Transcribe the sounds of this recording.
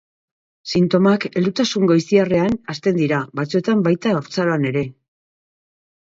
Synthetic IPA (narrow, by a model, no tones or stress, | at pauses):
sint̪o̞make̞ld̪ut̪asuŋɡojsiare̞anast̪e̞nd̪iɾaβat͡sue̞t̪ambajt̪aoɾt͡saɾoane̞ɾe̞